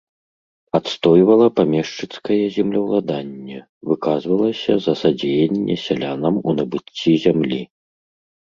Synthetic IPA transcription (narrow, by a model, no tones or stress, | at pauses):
at̪st̪ɔjvɐlˠɐpamʲɛʂt͡ʂɨt̪skɐjɛzʲɛmlʲɐwlˠad̪anʲːɛ | vɨkazvɐlˠɐsʲɐzɐsad͡zʲejɛnʲːɛ̰sʲalʲanɐmunɐbɨt͡sʲːizʲamlʲi